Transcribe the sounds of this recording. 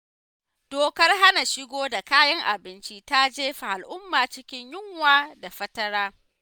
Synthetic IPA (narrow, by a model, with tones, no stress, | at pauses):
d̥oː˨kɐ˦rɦa˦na˨ʃɪ˦ɡʷoː˦da˨kaː˦jɐ˦ŋʔa˨bɪ˦nt͡ʃi˦ta˦d͡ʒeː˦ɸa˨ʔa˨lʔʊ˦mːaː˨t͡ʃɪ˦kʲɪ˦ɲjɪ˦ŋwaː˦da˨ɸɐ˦tɐ˦ɾaː˦